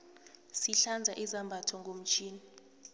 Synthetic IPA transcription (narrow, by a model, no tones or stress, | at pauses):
siɬand͡zʱaʔizambʱatʰɔŋɡʱom̩t͡ʃʰʼiːni